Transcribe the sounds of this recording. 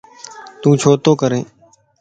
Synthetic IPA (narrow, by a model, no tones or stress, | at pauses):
t̪ũːt͡ʃʰoːt̪oːkəɾẽː